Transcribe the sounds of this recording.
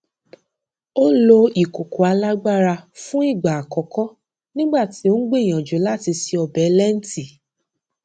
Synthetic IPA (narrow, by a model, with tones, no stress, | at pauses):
o˦lo˧i˨ko˨ko˨˦a˧la˦ɡ͡ba˦ɾa˧fũ˦i˦˨ɡ͡ba˨a˨kɔ˨˦kɔ˦ | nĩ˦ɡ͡ba˦˨ti˨˦o˦ɡ͡be˦˨j̃ã˨d͡ʒo˨˦la˦˨ti˧si˧ɔ˧bɛ˨˦lɛ˦n̩˦ti˨